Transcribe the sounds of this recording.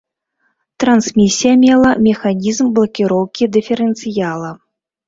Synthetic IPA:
t̪ɾansmʲisʲijɐmʲɛlˠɐmʲɛxanʲizmblˠɐkʲiɾɔwkʲid̪ɨfʲɛɾɛnt̪sɨjalˠɐ

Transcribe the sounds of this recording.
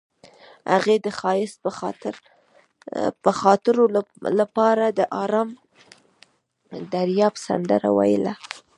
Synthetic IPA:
ha̰ɣed̪əxɑjɪspət̪ɾ | pəxɑt̪ɪɾolapɑɾad̪əʔɑɾɑm | d̪aɾjɑpsa̰nd̪aɾa̰wa̰jɪla

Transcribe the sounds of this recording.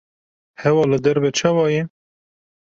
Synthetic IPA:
hɛwɑːlɨd̪ɛɾbɛt͡ʃʰɑːwɑːjɛ

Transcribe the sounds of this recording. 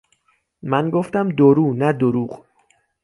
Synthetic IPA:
mænɡoft̪æmd̪oɾuːnæd̪oɾuːɢ

